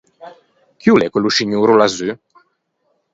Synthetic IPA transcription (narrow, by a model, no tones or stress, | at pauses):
kiulɛkeluʃiɲuːɾulazy